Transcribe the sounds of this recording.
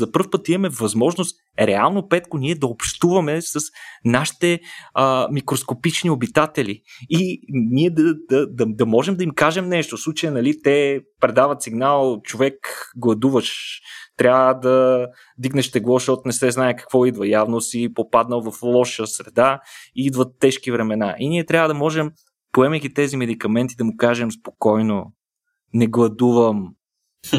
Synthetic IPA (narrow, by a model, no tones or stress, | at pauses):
zɐpɤɾfpɤt̪imɐmɛvɐzmɔʒnost̪ | ɾɛalˠnopɛt̪koniɛd̪ɐopʃt̪uvɐmɛsɐsnaʃi̥t̪ɛəmikɾoskopit͡ʃniobit̪at̪ɛliiniɛd̪ɐd̪ɐd̪ɐd̪ɐmɔʒɛmd̪ɐimkaʒɛmnɛʃt̪oslˠut͡ʃəjənɐlit̪ɛpɾɛd̪avɐt̪siɡnalˠt͡ʃovɛkɡlˠɐd̪uvəʃt̪ɾʲavəd̪ɐ | d̪iɡnɛʃt̪ɛɡlˠɔʃɔt̪nɛsɛznaɛkɐ̥kvɔid̪vəjavnosipopad̪nəlˠvɐflˠɔʃəsɾɛd̪aiid̪vət̪ːɛʃkivɾɛmɛnaʔiniɛt̪ɾʲavəd̪ɐmɔʒɛm | poɛmɛjɡ̟it̪ɛzimɛd̪ikɐmɛnt̪id̪ɐmʊkaʒɛmspokɔjno | nɛɡlˠɐd̪uvəm